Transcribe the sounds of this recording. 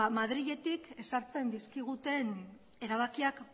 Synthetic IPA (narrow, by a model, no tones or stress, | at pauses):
mað̞ɾiʎe̞t̪ike̞saɾt͡se̞nd̪iskiɣ̞ut̪e̞n | e̞ɾaβ̞akiak